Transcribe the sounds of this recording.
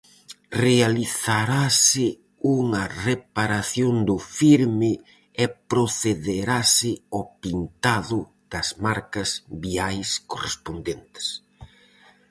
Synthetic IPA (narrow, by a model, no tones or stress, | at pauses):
realiθaɾasɪ | uŋɐrepaɾaθjond̪ʊfiɾmɪ | ɛpɾoθeðeɾasɪɔpint̪aðʊ | ð̥ɐzmaɾkɐzβiajskorespond̪ent̪ɪ̥s